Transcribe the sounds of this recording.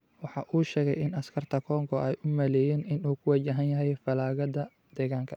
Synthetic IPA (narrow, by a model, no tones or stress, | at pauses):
wɑħɑːʔuːʃɛːɣɛjɪnɐskʰɐrt̪ʰɐkʰɔːŋkʰɔʔɛjʔʊmɐlɛːjɛːnɪnuːkʰʊwɑt͡ʃɐɦɐnjɐɦɛjfɐlaːɣɐd̪ɐ | d̪̥ɛːɣaːŋkʰɐ